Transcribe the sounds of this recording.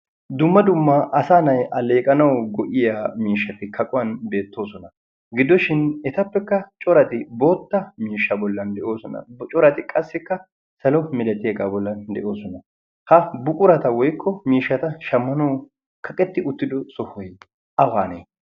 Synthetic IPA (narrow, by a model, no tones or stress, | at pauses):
d̪ʊmːɐd̪ʊmːɐʔɐsaːnɐjʔɐle̞ːkʼɐnɐwɡɔʔɪjaːmiːʃːɐt̪ɪkʰɐkʼʊwɐnbe̞ːt̪ːo̞ːsɔnɐ | ɡɪd̪ːɔʃɪnɛt̪ɐpːɛkːɐt͡ʃʼɔɾɐt̪ɪbo̞ːt̪ːɐmiːʃːɐbɔlːɐnd̪ɛʔo̞ːsɔnɐ̰bt͡ʃʼɔɾɐt̪ɪkʼɐsːɪkːɐ | sɐlɔmɪlɛt̪ɪeɡaːbɔlːɐnd̪ɛʔo̞ːsɔnɐ | hɐbʊkʼʊɾɐt̪ɐwɔjkʰːɔmiːʃːɐt̪ɐʃɐmːɐnɐw | kʰɐkʼɛt̪ːɪʊt̪ːɪd̪ɔsɔhɔj | ʔɐwaːnḛː